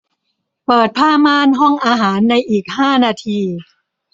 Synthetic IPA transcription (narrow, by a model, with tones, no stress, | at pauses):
pɤː˨˩t̪̚pʰaː˥˩maː˥˨nɦɔ˥˩ŋʔaː˧ɦaː˩˦nːa˧jʔiː˨˩k̚haː˥˩naː˧t̪ʰiː˧